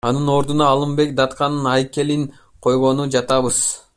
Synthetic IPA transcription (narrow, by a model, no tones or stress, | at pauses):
ɑnɯno̞ɾd̪unɑːlˠɯmbe̞k̚d̪ɑt̪qɑnɯnɑjke̞lin | qʰo̞jʁo̞nud͡ʒɑt̪ɑβɯz̥